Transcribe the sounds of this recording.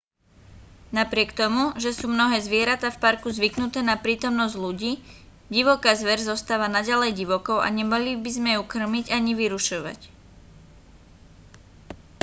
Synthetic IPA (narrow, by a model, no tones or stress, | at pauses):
napɾɪɛkt̪ɔmuʒɛsuːmnɔɦɛːzʋɪɛɾat̪aːfpaɾkuzʋiknut̪ɛːnapɾiːt̪ɔmnɔzɟluɟiː | ɟiʋɔkaːzʋɛɾzɔst̪aːʋanaɟalɛjɟiʋɔkɔʊʔa̰ɲɛmalibizmɛjukr̩miɟaɲiʋiɾuʃɔʋa̰c